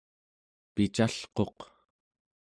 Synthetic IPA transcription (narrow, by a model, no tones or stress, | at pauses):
pit͡ʃaɬqo̞q